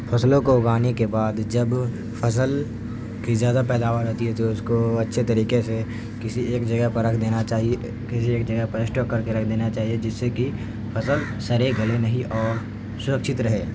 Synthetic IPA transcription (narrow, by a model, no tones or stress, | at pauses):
fʰɐslõkoɡaːnekebaːd̪d͡ʒɐb | fʰɐsəl | kizjaːd̪apɛːd̪aːʋaːɾɦoːt̪iɦɛt̪oʊskoɐtːʃʰet̪ɐɾiːkese | kɪsieːkd͡ʒɐɡəɦpɐɾːɐkʰd̪eːnat͡ʃaːɦie | kɪsieːkd͡ʒɐɡəpɐɾɪsʈɔːkːɐɾkeɾɐkʰd̪eːnat͡ʃaːɦied͡ʒɪsːeki | fʰɐsəl | sɐɾeɡʱɐlenɐɦĩʔɔːɾ | sʊɾəkʃɪt̪ɾɐɦeː